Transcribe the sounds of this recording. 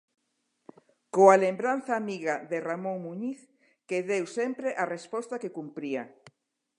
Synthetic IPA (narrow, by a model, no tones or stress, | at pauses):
koalembɾan̟θaːmiɣaðeramõŋmuɲiθ | keðewsempɾeʔarespɔst̪akekumpɾia